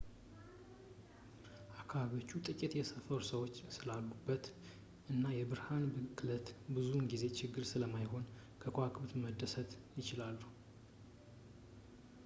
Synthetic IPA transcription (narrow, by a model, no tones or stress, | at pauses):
ʔakʰːaβaβio̞t͡ʃːut̪ʼɨkʼɪt̪jɛsəfəɾusəwo̞t͡ʃːsɨlalɡubːət̪ | ʔɨnːajɛbɨɾhanbɨklət̪bɨzunɡize̞t͡ʃʰɪɡːɨɾsɨləmajho̞n | kʰəkʰoakʰʼɨbt̪məd̪ːəsət̪jɪt͡ʃɪlalːu